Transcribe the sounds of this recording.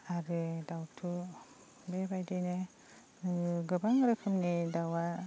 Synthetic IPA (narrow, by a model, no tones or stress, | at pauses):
aɾɯdawtʰu | bebajdine | ɡɯbaŋɾɯkʰɯmnidawa